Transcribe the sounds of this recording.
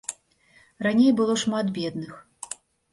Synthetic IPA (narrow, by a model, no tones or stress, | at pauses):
ranʲejbɨlˠɔʂmat̪bʲɛd̪nɨx